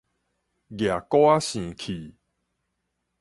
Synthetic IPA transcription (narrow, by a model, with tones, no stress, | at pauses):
ɡja˨˩kwa˦ɕĩ˨kʰi˨˩